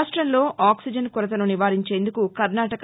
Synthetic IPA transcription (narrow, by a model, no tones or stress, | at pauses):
ʂʈɾɐnlo̞ːʔaːksid͡ʒɐnkuɾɐt̪̬ɐnuniʋaːɾiɲt͡ʃe̞ːnd̪ukukɐɾnaːʈɐk